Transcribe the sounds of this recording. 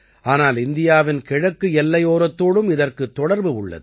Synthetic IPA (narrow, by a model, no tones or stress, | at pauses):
ʔaːnaːlɪnd̪ɪjaːʋɪnkɪɻɐkːɯɛlːɐjoːɾɐt̪ːoːɽɯmɪðɐrkɯt̪ːɔɽɐɾbɯʊɭːɐ̰ðɯ